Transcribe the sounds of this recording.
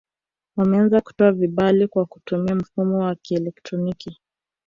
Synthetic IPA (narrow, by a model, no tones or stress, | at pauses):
amɛanzaku̥tɔaviɓalikwaku̥tumiam̩fumɔwakiɛlɛktɾɔniki